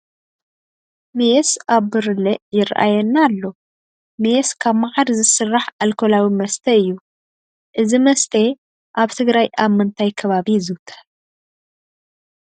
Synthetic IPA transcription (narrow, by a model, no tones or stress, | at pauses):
mejsaβːɨɾɨlɛʔjɪɾʔa̰jɛnːalːo̞ | meskʰaβmaʕaɾzɨsɨrːaħalkʰolawimɐst̪ʰɐɨjːu | ʔɨzimɐst̪ʰe | ʔaβt̪ʰɨɡɾajʔaβmɨnt̪ʰajkʰɐβaβizɨwt̪ʰɐ̥